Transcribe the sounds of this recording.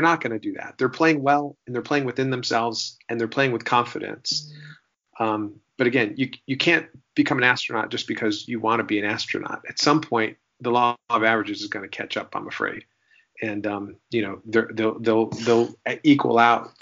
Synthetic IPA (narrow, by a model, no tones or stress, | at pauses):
ə˞nət̚ɡ̥ʌnɨdɨðæ̰t̪̚ðə˞pʰl̥eɪɪ̃ŋwɛlˠɨ̃n̩ðə˞pʰl̥eɪɪ̃ŋwɨθɪ̃nðɨ̃msɛlˠvz̥ɨ̃nðə˞pʰl̥eɪɪ̃ŋwɨð̥kʰɑ̃ɱfɨɾɨ̰̃ns | ʔʌ̃m | b̥ʌɾɨɡɛ̃njɨjɨkʰæ̃nb̥ɨkʰʌ̃mɨ̃næstɹ̥ɨ̃nɑ̰t̚d̥ʒ̥ʌsb̥ɨkʰʌzjɨwɑ̃ñɨbiɨ̃næstɹ̥ɨ̰nɑ̰ɾɨtsʌ̃mpʰɔ̃ɪ̃n | ðəlɔʌvævɹɨd͡ʒɨzɨzɡʌnɨkʰæ̰t͡ʃʌpã̰ɪ̃məfɹḛɪd̥ | ɨ̃nʌ̃mjɨñoʊðə˞ðeɪlˠðeɪlˠðeɪlˠikʰwə̰l̩ˠaʊt̚